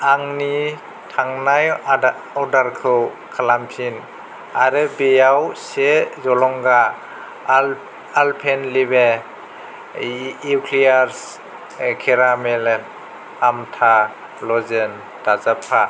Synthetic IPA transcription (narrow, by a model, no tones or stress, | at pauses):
aŋni | tʰaŋnaj | ɔdaɾkʰɯw | kʰalampʰin | aɾɯbejawsezɔlɔŋɡa | lpʰenlibe | ukʰlijaɾs | kʰeɾameln | amtʰa | lɔzen | d̥azapʰːa